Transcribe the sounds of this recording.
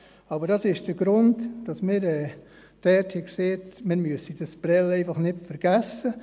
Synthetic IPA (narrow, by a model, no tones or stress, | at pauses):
ɑbəɾd̥ɑsɪʃd̥əɾɡɾʊndd̥ɑsmɪːɾɛː | d̥ɛthikseːtmɪɾmyəsid̥ɑsb̥ɾɛlɛɪfɑχnɪtfəɾɡ̥æsə